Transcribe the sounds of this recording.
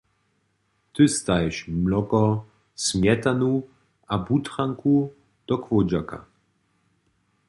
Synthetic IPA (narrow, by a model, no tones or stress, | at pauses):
t̪ɨst̪ajɛʃmlɔkɔ | smjɛt̪anu | abut̪χaŋkʰu | d̪̥ɔkvɔd͡ʑaka̰